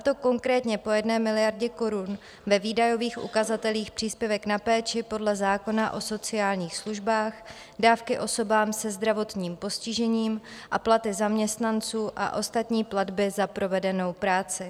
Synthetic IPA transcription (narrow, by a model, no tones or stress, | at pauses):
at̪o̞ko̞ŋkɾɛːt̪ɲɛpo̞jɛdnɛːmɪlɪjaɾɟɛko̞ɾun | vɛviːdajo̞viːxʔṵkazat̪ɛliːxpr̝̥iːspjɛvɛknapɛːt͡ʃɪpo̞dlɛzaːko̞naʔo̞so̞t͡sɪaːlɲiːxsluʒbaːx | daːfkɪʔo̞so̞baːmsɛzd̪ɾavo̞t̪ɲiːmpo̞scɪʒɛɲiːmʔaplat̪ɪzamɲɛst̪nant͡suːʔa̰ʔo̞st̪at̪ɲiːpladbɪzapɾo̞vɛdɛno̞wpɾaːt͡sɪ